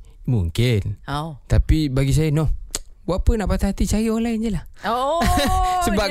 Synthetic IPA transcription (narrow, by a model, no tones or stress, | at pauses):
muŋkɪnt̪apibaɡis̬ajənɔhwapənaʔpat̪aɦat̪it͡ʃaɾiolajnd͡ʒəlah | səba